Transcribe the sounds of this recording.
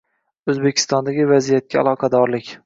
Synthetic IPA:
ɵzbekʲʰɪ̥st̪ɒnd̪aɡʲɪvazijat̪̚kʲaa̰lˠɒqʰɑd̪ɒɾlɪkʲ

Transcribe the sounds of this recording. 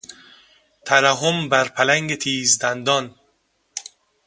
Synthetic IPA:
t̪ʰaɾaɦombæɾpʰælæŋɡet̪ʰiːzd̪ænd̪ɒn

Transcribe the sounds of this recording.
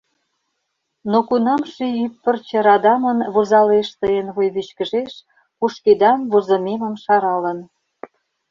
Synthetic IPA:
nokunɑmʃeypːərt͡ɕə̆ɾɑd̪ɑmənβozɑleʃt̪əjənβojβyt͡ɕkə̆ʒeʃ | kuʃked̪ɑmβozə̆memə̆mʃɑɾɑlə̆n

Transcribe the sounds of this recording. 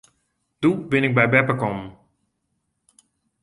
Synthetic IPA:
dubɪnɪk̚bɛjbɛpəkɔm

